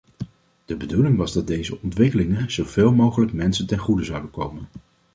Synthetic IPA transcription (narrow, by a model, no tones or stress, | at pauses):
d̥əbədulɪŋʋɑzdɑd̚dejzəɔntʋɪkəlɪŋənz̥owveːlˠmowχələkmɛnsəntɛnχudəzɑwdəkowmən